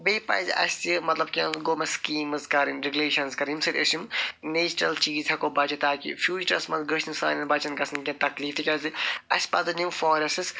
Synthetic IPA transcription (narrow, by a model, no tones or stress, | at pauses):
beːpɐ̰zɐ̰sʲt̪imɐt̪lɐb̚kʲɐ̃ɡomɐskiːmɨzkɐɾinɾiɡʲuleːʃɐnzkɐɾimsɨɾʲʔə̰simneːsʈɾɐlt͡ʃiːzʰɐkoːbɐt͡ʃɐt̪aːkḭfʰjuːd͡ʒʈɐsmɐnzɡəʃinsa̰ːnʲɐnbɐt͡ʃɐnkɐsɐnkʲɐ̃t̪ɐkliːft̪ʰikʲɐziɐsʲpɐt̪ɨnimfoːɾɐsɨs